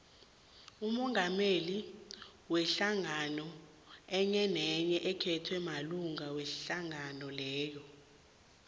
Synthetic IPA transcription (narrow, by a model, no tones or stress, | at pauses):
umɔŋʱameli | wɛɬaŋanɔ | ɛɲɛnɛɲɛʔɛkʰɛtʰwɛmaluŋawɛɬaŋanɔlɛːjɔ